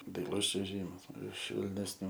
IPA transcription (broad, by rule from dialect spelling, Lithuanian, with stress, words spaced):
dɐɪˈlˠʊs t͡ʃʲuɔˈʒʲiːmɐs ɪʃ ʃʲʋʲɛlʲnʲɛsʲˈnʲuː